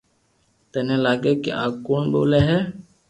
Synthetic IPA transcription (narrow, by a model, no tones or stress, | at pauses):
t̪ɛːnẽlaːɡekḛʔaːkoːnbo̰ːleɦɛ